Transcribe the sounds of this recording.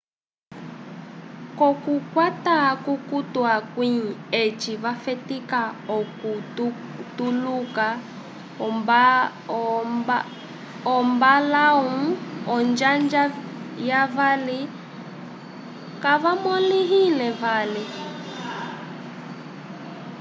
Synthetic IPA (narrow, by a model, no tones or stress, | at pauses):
kɔkukwatakukutuakwiet͡ʃiβafɛtikaɔku | tuluka | ɔmbalaũɔnd͡ʒand͡ʒajavali | kavamɔliɦinɛvali